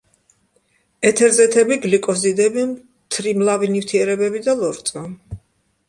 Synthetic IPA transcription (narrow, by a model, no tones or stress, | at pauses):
ɛt̪ʰɛɾzɛt̪ʰɛbiɡlikʼɔzid̪ɛbim | t̪ʰɾimlavinift̪ʰiɛɾɛbɛbid̪alˠɔɾt̪sʼa